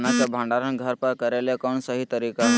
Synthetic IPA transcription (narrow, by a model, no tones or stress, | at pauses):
nakebʱãɳɖaɾənɡʱəɾpəɾkəɾelekɔɳsəɦit̪əɾika